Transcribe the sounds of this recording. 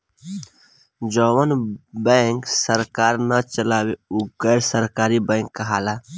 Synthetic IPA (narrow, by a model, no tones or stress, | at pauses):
d͡ʒɔwənbɛ̃ŋksəɾkaːɾnət͡ʃəlaːweuɡəːɾsəɾkaːɾibɛ̃ːŋkːəɦaːla